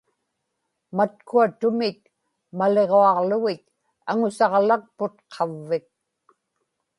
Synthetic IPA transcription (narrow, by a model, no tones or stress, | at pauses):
mat̪̚kuat̪ʊmɪt̪̚ | male̞ʁoɑʁlʊɣɪt̪̚ | aŋʊsɑʁlak̚pʊt̪qʰɑvːɪk̚